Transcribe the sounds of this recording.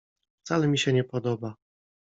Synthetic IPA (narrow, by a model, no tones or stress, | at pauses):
ft̪salɛmʲiɕɛɲɛpɔd̪ɔba